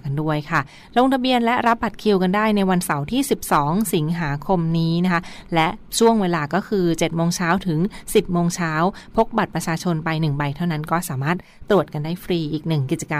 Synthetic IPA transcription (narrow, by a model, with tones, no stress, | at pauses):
ka˧ndu˥˩əjkʰa˥˩ | ɾoː˧ŋt̪ʰa˧bi˧ənlɛ˦˥ɾa˦˥p̚bːa˨˩t̪̚kʰi˨˧˩wka˧ndaː˥˩jna˧jwa˧nsa˩˦wt̪ʰiː˥˩si˨˩p̚sɔː˩˦ŋsi˩˦ŋɦaː˩˦kʰo˧mniː˦˥na˦˥kʰa˦˥lɛ˦˥ʔt͡ɕʰu˥˩əŋweː˧laː˧kɔː˥˩kʰɯː˧t͡ɕe˨˩t̪̚moː˧ŋt͡ɕʰaː˦˥wt̪ʰɯ˩˦ŋsi˨˩p̚moː˧ŋt͡ɕʰaː˦˥wpʰo˦˥k̚ba˨˩t̪̚pɾa˧t͡ɕʰaː˧t͡ɕʰo˧npa˧jnɯ˨˩ŋba˧jt̪ʰa˥˩wna˦˥nkɔː˥˩saː˩˦maː˥˩t̪̚ːɾu˨˩ət̪̚ka˧ndaː˥˩jfɾiː˧ʔiː˨˩k̚nɯ˨˩ŋki˨˩t̪̚t͡ɕa˧ka˧